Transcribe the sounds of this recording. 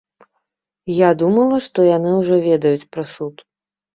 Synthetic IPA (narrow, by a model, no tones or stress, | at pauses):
jad̪umɐlˠɐʂt̪ɔjanɨwʐɔvʲɛd̪ɐjut͡sʲpɾasut̪